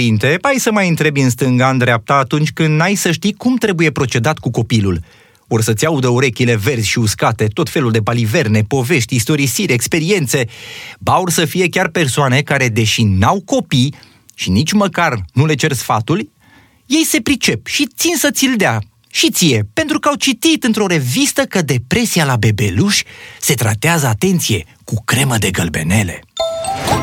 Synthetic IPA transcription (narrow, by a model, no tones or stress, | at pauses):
int̪e̞ajsəmajɨnt̪ɾe̞bɨnst̪ɨŋɡand̪ɾeap̚t̪aːt̪unt͡ʃʲkɨnd̪najsəʃt̪ijkumt̪ɾe̞buje̞pɾo̞t͡ʃe̞d̪at̪kuko̞pilṵl | orsət̪sʲaud̪əuɾe̞kʲile̞ve̞rzʲʃiuskat̪e̞t̪o̞t̪fe̞luld̪e̞balive̞rne̞po̞ve̞ʃt̪ʲist̪o̞ɾisiɾʲekspe̞ɾie̞nt̪se̞baurʲsəfije̞kʲarpe̞rsoane̞kaɾe̞d̪e̞ʃinawko̞pij | ʃinit͡ʃʲməkarnule̞t͡ʃe̞rsfat̪ul | je̞jse̞pɾit͡ʃe̞pʃit̪sinsət̪sild̪ea | ʃit̪sije̞pe̞nt̪ɾukəawt͡ʃit̪it̪ɨnt̪ɾo̞ɾe̞vist̪əkəd̪e̞pɾe̞sijalabe̞be̞luʃʲse̞t̪ɾat̪eazəat̪e̞nt̪sije̞ | kukɾe̞məd̪e̞ɡəlbe̞̰ne̞le̞̰